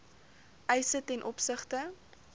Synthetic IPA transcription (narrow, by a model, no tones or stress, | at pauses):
ʔɛjsətɛnʔɔpsəχtə